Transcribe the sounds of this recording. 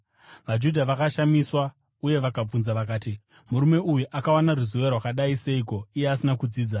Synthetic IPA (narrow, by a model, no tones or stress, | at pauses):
ʋad͡ʒudʱaʋakaʃamiswa | uje̞ʋakab͡vunzaʋakaːti | muɾume̞ujuʔakawanaruzoʋerwakaɗaise̞iko̞ije̞asinakud͡ziːd͡za